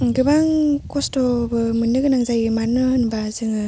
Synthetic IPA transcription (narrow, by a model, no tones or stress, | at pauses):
ɡɯbaŋkɔstɔbɯmɯnːɯɡɯnaŋzajmaɾnɯhɯnbazɯŋɯ